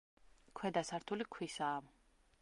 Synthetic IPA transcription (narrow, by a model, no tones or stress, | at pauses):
kʰwɛd̪asaɾt̪ʰulikʰwisaːm